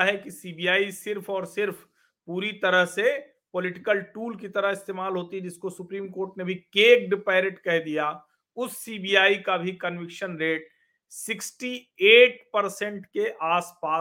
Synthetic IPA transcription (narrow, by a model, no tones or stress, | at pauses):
ɦɛkisiːbiːaːisɪɾpʰɔːɾsɪɾpʰ | puːɾit̪ɐɾəɦse | polɪʈɪkəlʈuːlkit̪ɐɾəɦɪst̪eːmaːlɦoːt̪iɦɛd͡ʒɪskosʊpɾiːmkoːɾʈnebʱikeːk̚ɖpeːɾeʈkɛɦd̪ijaː | ʊsːiːbijaːikabʱikɐnʋɪkʃənɾeːʈ | sɪksʈieːʈpɐɾsɛ̃ɳʈkeʔaːspaː